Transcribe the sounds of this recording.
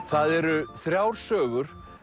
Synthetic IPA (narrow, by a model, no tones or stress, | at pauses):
θaðɛɾʏθɾjawɾ̥sœːɣʏɾ̥